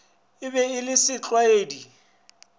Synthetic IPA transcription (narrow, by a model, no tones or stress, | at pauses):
ɪbɛɪlɪsɪt͡ɬʼwaeːdi